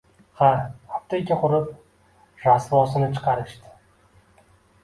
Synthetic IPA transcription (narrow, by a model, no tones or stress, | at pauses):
haaft̪ʰakʲaqʰʊɾɪp̚ | ɾasvɒsɪnɪt͡ʃʰɨ̥qʰɑɾɪʃt̪ɪ̥